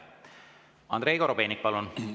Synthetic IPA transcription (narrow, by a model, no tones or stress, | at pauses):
ɑ̰nd̪ɾe̞ːkoɾobe̞ːnik̚pɑlun